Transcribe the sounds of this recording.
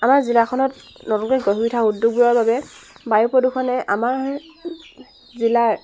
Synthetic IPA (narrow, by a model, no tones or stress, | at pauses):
amaɹzilakʰɔnɔtnɔtɔkɔɡɔɦuɹitʰaudːuɡ̚bujaɹbabɛbajupɔdukʰɔnɛʔamaɹ | zila